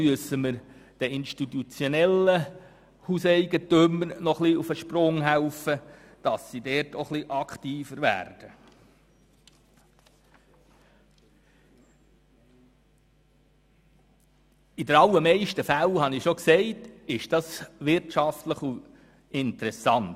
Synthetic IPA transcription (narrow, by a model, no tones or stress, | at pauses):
yəsːəməɾd̥ɛɪnʃtit̪ut͡sjɔnɛlːə | huseɪɡət̪ʏmənɔχliufəʃprʊŋɦæwfə | d̥ɑsːidɛɾtoχliʔɑktiːfəɾʋæ̰ːɾd̥ə | idəɾɑlːəmɛɪʃtəfælhɑnɪʃoksɛɪtɪʃd̥ɑsʋɪrtʃɑftləχu | ɪnt̪əɾɛsɑnt